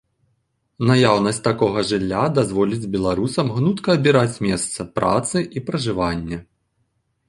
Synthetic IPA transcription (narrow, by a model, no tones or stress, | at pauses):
najawnɐsʲt͡sʲt̪akɔɣɐʐɨlʲːad̪azvɔlʲid͡zʲbʲɛlˠaɾusɐmɣnut̪kɐːbʲiɾat͡sʲmʲɛst̪sɐpɾa̰t̪sɨʔipɾɐʐɨvanʲːɛ